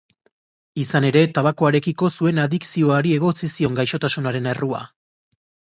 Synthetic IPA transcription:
isane̞ɾe̞t̪aβako̞aɾe̞kiko̞sue̞naðiksio̞aɾie̞ɣ̞o̞t͡sisio̞ŋɡajʃo̞t̪asunaɾe̞nerua̰

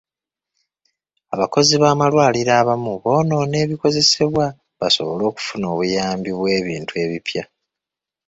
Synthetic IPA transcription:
aβako̞ziβaːmalwaːliɾaːβamuβo̞ːno̞ːne̞ːβiko̞ze̞se̞βwa | βaso̞̰βo̞lo̞ːku̥funoːβujaːmbiβwe̞ːβḭːntue̞βipja

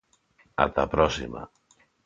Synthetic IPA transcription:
a̰t̪apɾɔsima̰

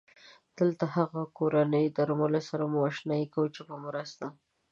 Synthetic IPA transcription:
d̪̥əlt̪ahaɣakoɾanəjd̪aɾmalesaɾamuaʃnɑjikawut͡ʃepəmɾəst̪a

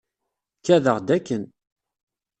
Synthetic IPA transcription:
kːæðəʁd̪ækːən

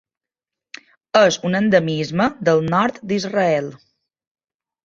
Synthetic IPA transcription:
əzunənd̪əmizməd̪əlˠnɔɾt̪d̪izrəɛlˠ

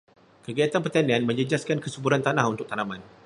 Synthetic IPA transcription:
kəɡiat̪anpərt̪anɛ̃nmə̃ɲd͡ʒəd͡ʒaskankəsəbuɾant̪anahunt̪ʊk̚t̪anaman

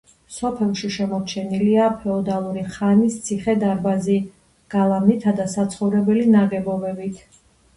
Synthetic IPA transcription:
sɔpʰɛlˠʃiʃɛmɔt͡ʃʰɛniliapʰɛɔd̪alˠuɾiχanist̪sʰiχɛd̪aɾbazi | ɡ̥alˠamit̪ʰad̪asat̪sʰχɔvɾɛbɛlinaɡɛbɔbɛbit̪ʰ

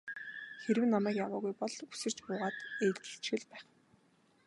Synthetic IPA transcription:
xeɾɘ̆wnamæːkjawaːɣujpɔɮ̥usɘ̆r̥t͡ɕpʊːʁaːt̪eːɮt͡ɕɘ̥ɬt͡ɕxɘ̆ɮpæːχ

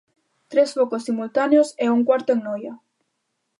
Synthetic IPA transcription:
t̪ɾesfokosːimult̪aneoseuŋkwaɾt̪oeŋnojɐ

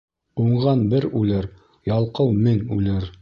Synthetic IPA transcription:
uɴʁɑnbɘɾʉlɘɾ | jɑlˠqɤwmɘŋʉlɘɾ

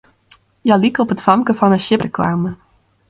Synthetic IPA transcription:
jalikɔpɦətfɑmkəvɑnəʃɪprəklaːmə

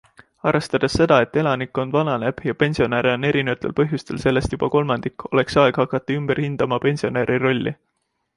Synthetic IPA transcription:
ɑrest̪ɑd̪̥esːe̞d̪̥ɑe̞t̪ːe̞lɑnikːˑo̞nd̪vɑnɑneb̥jɑpe̞nʲsio̞næɾeo̞nːe̞ɾinevɑt̪ːˑe̞lpɤ̞ɦjust̪e̞lse̞lːe̞st̪jub̥ɑko̞lmɑnd̪̥ikːo̞̰le̞ksɑeɡ̥hɑkːˑɑt̪ːˑuymb̥erhind̪̥ɑmɑpe̞nʲsio̞neɾʔiro̞lʲːḭ

